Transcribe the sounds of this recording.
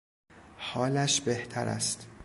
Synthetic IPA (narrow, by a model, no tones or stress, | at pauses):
hɒːlæʃbeht̪ʰæ̰ɾæ̰st̪